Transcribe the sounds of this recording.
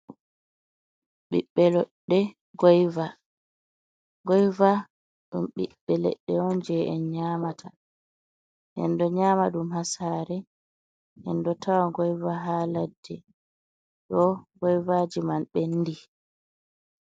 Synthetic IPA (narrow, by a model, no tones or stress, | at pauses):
ɓiɓːɛlɔɗːɛ | ɡɔjva | ɡɔjva | ɗumɓḭɓːɛlɛ̰ɗːɛɔnd͡ʒɛɛ̰nɲamatʰa | ʔɛ̰ndɔɲaːmaɗumhasaːɾɛ | ʔɛndɔtʰawaɡɔjvaɦaladːɛ | ɗɔɡɔjvad͡ʒimanɓɛnːdi